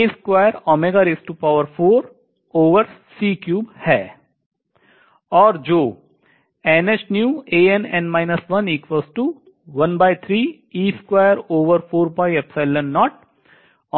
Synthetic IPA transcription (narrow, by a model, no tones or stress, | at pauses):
iskwaːjəɾɔːmeːɡaːɾeːsʈupaːʋəɾfʰoːɾ | oːʋəɾsiːkjuːbhɛː | ɔːɾd͡ʒoː | ɛːnet͡ʃnjuːeːɛ̃nɛ̃ɳɖmaːɪnəsʋɐniːkʋɔːsʈu | ʋɐnbaːɪt̪ʰɾiː | iːskwaːjəɾoːʋəɾfʰoːɾbaːɪɛpsalə̃nːɔːʈ̚ː